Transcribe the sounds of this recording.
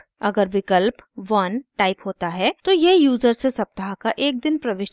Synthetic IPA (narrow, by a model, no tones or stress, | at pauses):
ɐɡəɾʋɪkəlpʋɐnʈaːɪpɦoːt̪aɦɛt̪ojejuːzəɾsesɐp̚t̪əɦakaʔeːk̚d̪ɪnpɾɐʋɪːʃ